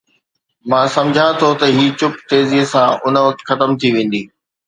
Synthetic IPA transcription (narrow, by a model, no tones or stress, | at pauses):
mãːsɐ̃md͡ʑʱãt̪ʰot̪ɐɦiːt͡ɕʊpt̪eːzisãʔʊnə̆ʋɐk̚t̪xɐt̪əmt̪ʰiʋẽːn̆d̪iː